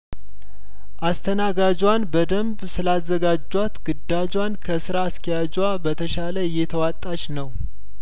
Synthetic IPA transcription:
ʔast̪ʰənaɡad͡ʒwanbəd̪əmbsɨlazːəɡad͡ʒːwat̪ɡɨd̪ːad͡ʒwankʰəsɨɾaːst̪ʰəjad͡ʒwabət̪ʰəʃaləɪjːɛt̪ʰəwat̪ʼːat͡ʃnəw

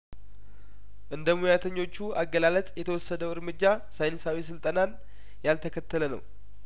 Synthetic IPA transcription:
ʔɨnd̪əmujat̪ʰəɲːo̞t͡ʃːuaɡːəlalət̪ʼjɛt̪ʰəwɔsːəd̪əwɨɾmɨd͡ʒːa | sajnɨsawis̬ɨlt̪ʼənan | jalt̪ʰəkʰət̪ːələnə̰w

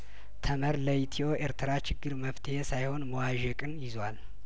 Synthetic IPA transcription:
t̪ʰəməɾləjit̪ʰio̞ʔeɾt̪ʰɨɾat͡ʃɪɡːɨɾməft̪ʰəhesajho̞nməwaʒɛkʼɨnjɪzwal

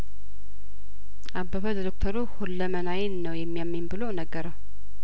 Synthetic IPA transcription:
ʔabːəβələd̪okt̪ʰəɾuhulːəmənajɪnnəwjɛmːijamːimbɨlonəɡːəɾəw

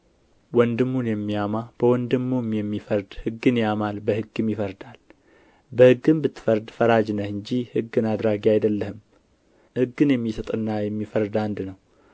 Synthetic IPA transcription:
wɔnd̪ɨmːunjɛmːiamab̥əwɔnd̪ɨmːumjɛmːifəɾd̪hɨɡːɨnjamalbəhɨɡːɨmjɪfəɾd̪al | bəhɨɡːɨnbɨt̪ʰːɨ̥fəɾd̪fəɾad͡ʒnəhɨɲd͡ʒihɨɡːɨnad̪ɾaɡiajd̪əlːəhɨm | hɨɡːɨnjɛmːisət̪ʼɨnːajɛmːifəɾd̪and̪nəw

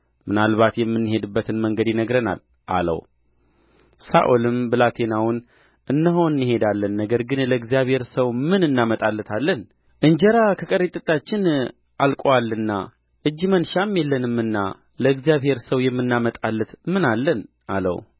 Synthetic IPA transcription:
mɨnalβat̪jɛmːɨnːɨhe̞d̪ɨbːət̪ʰɨnməŋɡəd̪inəɡɾəna̰l | ʔa̰lə̰w | sa̰ʔolɨmbɨlat̪ʰenawʊn | ʔɨnːəɦoɨnːɨhe̞d̪alːənːəɡəɾɡɨnləɨɡzijaβhe̞ɾsəwmɨnɨnːamət̪ʼalːɨt̪ʰalːən | ʔɨɲd͡ʒəɾakʰəkʼəɾet̪ʼɨt̪ʼːat͡ʃːɪn | ʔalkʼoalːɨnːa | ʔɨd͡ʒːmənʃamjɛlːənɨmːɨnːa | ləɨɡzijaβhe̞ɾsəwjɛmːɨnːamət̪ʼalːət̪mɨnalːən | alə̰w

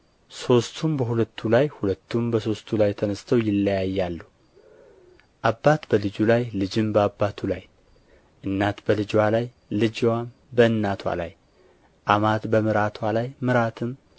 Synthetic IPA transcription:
so̞st̪ʰumbəhulət̪ʰːulajhulət̪ʰːumbəso̞st̪ʰːulajt̪ʰənəst̪ʰəwjɪlːəjajːalːuh | ʔabːat̪bəlɨd͡ʒulajlɨd͡ʒɪmbəabːat̪ʰulaj | ʔɨnːat̪bəlɨd͡ʒwalaj | lɨd͡ʒwam | bəɨnːat̪ʰwa̰la̰j | ʔamat̪bəmɨɾat̪ʰwalajmɨɾat̪ʰɨm

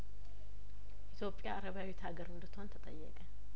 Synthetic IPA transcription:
ʔit̪jo̞pʼːjaːɾəβjawit̪ʰaɡəɾhʊnd̪ət̪ʰont̪ʰət̪ʼəjːɛ̰kʼə

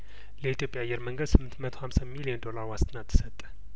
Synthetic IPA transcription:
ləit̪ʰjo̞pʼjaːjːɛɾməŋɡəd̪sɨmːɨnt̪mət̪ʰo̞hamsamiliənd̪o̞laɾwast̪ʰʼɨnat̪ʰːɨ̥sət̪ʼːə̥

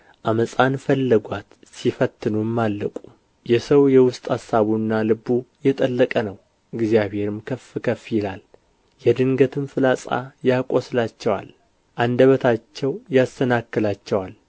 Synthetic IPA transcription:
ʔaməsʼanfəlːəɡʷat̪ | sifət̪ʰːɨnumːalːəkʼu̥ | jɛsəwjɛwʊst̪ʼhasːaβunːalɨbujɛt̪ʼəlːəkʼənəw | ɨɡzijaβhe̞ɾɨmkʰəfɨkʰəfjɪlal | jɛd̪ɨŋɡət̪ʰɨmfɨlasʼa̰jakʼoslat͡ʃːɛwa̰l | ʔand̪əβət̪ʰat͡ʃːɛwjast̪ʰənakːɨlat͡ʃːɛwal

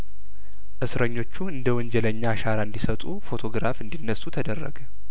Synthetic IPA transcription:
ʔɨsɾəɲːo̞t͡ʃːuɨnd̪əwɔɲd͡ʒɛləɲːaʃaɾaɨnd̪isət̪ʼufo̞t̪ʰo̞ɡɾafɨnd̪inːəsːut̪ʰəd̪ərːə̰ɡə

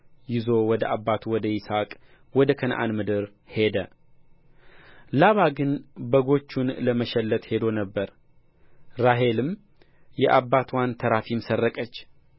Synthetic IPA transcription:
jɪzo̞wɔd̪əʔabːat̪ʰuwɔd̪əjɪsakʼ | wɔd̪əkʰənʔa̰nmɨd̪ɨɾ | he̞d̪ə | laβaɡɨnbəɡo̞t͡ʃːunləməʃɛlːət̪he̞d̪onəbːəɾ | ɾaɦe̞lɨm | jɛʔabːat̪ʰwant̪ʰəɾafimsərːəkʼət͡ʃː

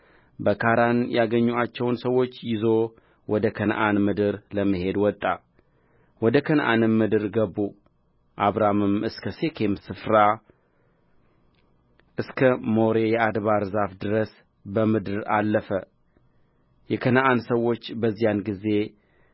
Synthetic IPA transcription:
bəkʰaɾanjaɡəɲːuat͡ʃːɛwnsəwːo̞t͡ʃːjɪzo̞ | wɔd̪əkʰənʔanmɨd̪ɨɾləmːɨhe̞d̪wɔt̪ʼːa | wɔd̪əkʰənʔa̰nɨmmɨd̪ɨɾɡəbu | ʔaβɾamɨmɨskʰəse̞kʰe̞msɨfɾa | ʔɨskʰəmo̞ɾe̞jɛad̪βaɾzafd̪ɨɾəs | bəmɨd̪ɨɾalːəfə | jɛkʰənʔansəwːo̞t͡ʃːbəzːijanɡize̞

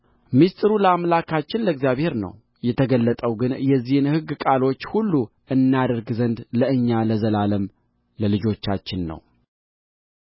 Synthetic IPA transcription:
mist̪ʼɨɾuləamlakʰat͡ʃːɪnləɡzijaβhe̞ɾnə̰w | jɛt̪ʰəɡəlːət̪ʼəwɡɨnjɛzːihɨnhɨɡːkʼalo̞t͡ʃːhulːu | ʔɨnːad̪əɾɡzənd̪ləɨɲːaləzəlaləm | ləlɨd͡ʒo̞t͡ʃːat͡ʃːɪnːə̰w

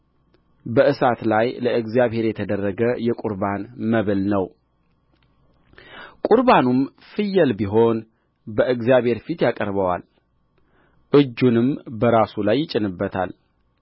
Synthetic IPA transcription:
bəɨsat̪lajləɨɡzjaβhe̞ɾjɛt̪ʰəd̪ərːəɡəjɛkʼuɾbanməβɨlnəw | kʼuɾbanum | fɨjːəlbiɦo̞n | bəʔɨɡzjaβhe̞ɾfit̪jakʼəɾβəwa̰l | ʔɨd͡ʒːunɨmbəɾasulajːɪt͡ʃʼɪnɨbːət̪ʰa̰l

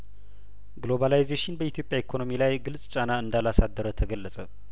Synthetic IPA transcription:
ɡlo̞βalajzeʃɪnbəit̪ʰjo̞pʼjaikʰono̞milajɡɨlsʼt͡ʃʼanaɨnd̪alasad̪ːəɾət̪ʰəɡəlːəsʼə

